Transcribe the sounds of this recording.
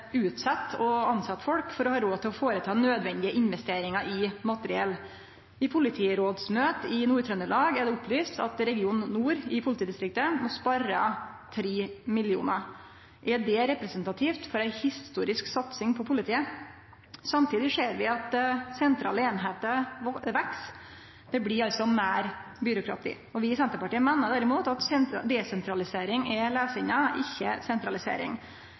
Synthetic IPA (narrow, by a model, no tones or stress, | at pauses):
ʉːt̪sɑt̪ːɔɑnsɑt̪ːfɔlkfɔɾɔhɑːɾoːt̪ʰɪlɔfoːɾət̪ʰɑːnøːd̪ʋɛnd̪ɪəʔɪnʋɛst̪eːɾɪŋɑʔɪmɑt̪əɾɪɛlː | ɪpʰʊlɪt̪ʰiːɾoːd̪smøːt̪əɪnuːɾt̪ʰɾœnəlɑːɡæɖɛʊplyːst̪ʰɑ̰t̪ɾɛɡɪuːnːuːɾɪpʰʊlɪt̪ʰiːd̪ɪst̪ɾɪk̚t̪əmɔspɑɾə̰ | t̪ʰɾeːmɪlɪṵːnɑ | ʔɛɖɛɾɛpɾɛsənt̪ɑt̪ʰiːft̪fɔɾæɪhɪst̪uːɾɪsksɑt̪sɪŋpʰɔpʰʊlɪt̪ʰiːə | sɑmt̪ʰiːd̪ɪʂeːɾʋɪɑt̪sɛnt̪ʰɾɑ̰ːləeːnɦeːt̪əʋɛks | d̪̥ɛblɪɾɑlt̪sɔmæːɾbʏɾʊkʰɾɑ̰t̪ḭː | ɔʋɪsɛnt̪əɾpɑʈiːəmeːnəɖ̪æɾɪmuːt̪ɑt̪sɛnd̪ɛsɛnt̪ʰɾɑlɪseːɾɪŋɛleːsəɪnːəʔɪçːəsɛnt̪ɾɑlɪsḛːɾɪ̰ŋ